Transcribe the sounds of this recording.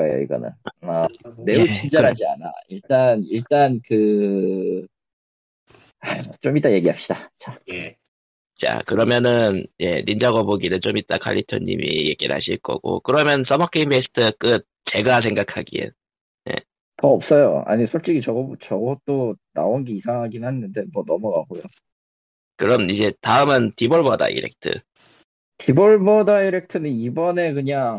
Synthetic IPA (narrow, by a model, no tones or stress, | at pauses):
aejo̰ḭɡʌ̰nɯ̰nʌne̞ut͡ɕʰind͡ʑaɦad͡ʑia̰na̰iɭt͈aniɭt͈ankɯ | at͡ɕomit͈aje̞ɡiɦap̚ɕ͈id̥at͡ɕaje | t͡ɕa̰kɯɾʌmjʌnɯnje̞̰nind͡ʑaɡʌboɡinɯnt͡ɕomit͈akʰa̰ʎːitʰo̰ɲḭmḭje̞ɡiɭha̰ɕʰiɭk͈ʌ̰ɡo̰kɯɾʌmjʌns͈ʌmʌkʰeimbesʰɯ̥tʰɯk͈ɯt̚t͡ɕe̞ɡasʰe̞ŋɡakʰaɡḭḛ | ne̞̰ | tʌːp̚s͈ʌjo̰a̰ɲisʰoɭt͡ɕ͈iɡit͡ɕʌɡt͡ɕʌɡʌt͈ona̰onɡeisʰaŋɦaɡinɯhanːɯnde̞mʌnʌmʌɡa̰ɡojo | kɯɾʌmid͡ʑe̞taɯmɯntiboɭbʌda̰ʔḭɾek̚tʰɯ̰ | tiboɭbʌdaiɾe̞k̚tʰɯnɯnibʌne̞kɯɲaŋ